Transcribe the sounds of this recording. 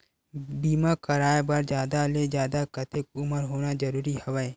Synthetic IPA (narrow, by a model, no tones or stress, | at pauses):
biːmakɐɾaːebɐɾd͡ʒjaːd̪aled͡ʒjaːd̪akət̪ʰɪk̚ʊməɾɦoːnad͡ʒɐɾuːɾihɐʋəe